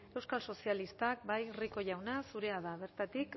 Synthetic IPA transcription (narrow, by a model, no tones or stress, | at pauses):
e̞wskalso̞sialist̪ak̚bajriko̞ʝawnasuɾe̞aðaβe̞ɾt̪at̪ik